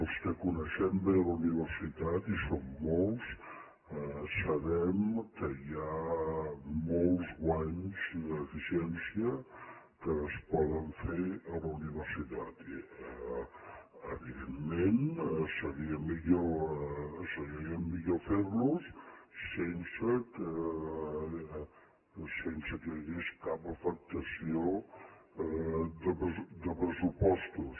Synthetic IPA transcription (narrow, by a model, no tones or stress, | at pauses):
əlˠskəkunəʃɛmbeələuniβ̞əɾsit̪at̪isomːolˠs | səβɛmkəia | molˠzɣwaɲzd̪əːfisiɛnsiə | kəːspɔðəɱfeɾələuniβəɾsit̪at̪iə | əβiðemːensəɣiəmiʎo | səɣiəmmːiʎofeɾlusː | ensəkə | sensəkəəɣeskapəfək̚t̪əsio | ðəpəd̪əpɾəsupɔst̪us